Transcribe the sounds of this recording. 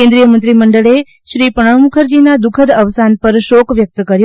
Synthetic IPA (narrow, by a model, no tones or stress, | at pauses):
ẽnd̪ɾijəmə̃nt̪ɾiməɳɖəɭe | ʃɾipəɽ̃əʋmukʰəɾd͡ʒinad̪ukʰəd̪əʋsanpəɾʃokʋjək̚t̪kəɾjo